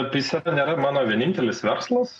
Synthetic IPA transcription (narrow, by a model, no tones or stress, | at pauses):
t̪isɐɛnʲeːɾɐmɑːnoːʋʲiɛnʲɪnʲt̪ʲɛlʲɪsʋʲɛɾslˠɐs